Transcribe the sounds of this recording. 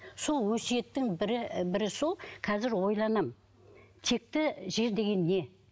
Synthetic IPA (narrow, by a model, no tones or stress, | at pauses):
so̞lˠwɵsije̞t̪ːɪŋbɪɾɪbɪɾɪsolˠqʰɑzɪɾwo̞jlˠɑnɑm | t̪ʰe̞k̚t̪ɪʒe̞ɾd̪e̞ɡʲe̞nːe̞